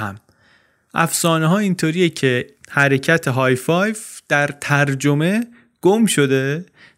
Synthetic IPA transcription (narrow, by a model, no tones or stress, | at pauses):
hæ̰m | ʔæfsɒːneɦɒːint̪ʰoːɾijecʰe̞hæɾe̞cʰæt̪ʰeɦɒːjfɒːjvd̪̥æɾt̪ʰæɾd͡ʒo̞me̞ | ɡ̥omʃo̞d̪e